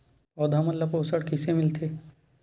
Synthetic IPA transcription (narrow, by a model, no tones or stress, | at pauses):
ɔd̪ʱɐmɐlːɐpoːsəɽkɪsemɪlt̪ʰeː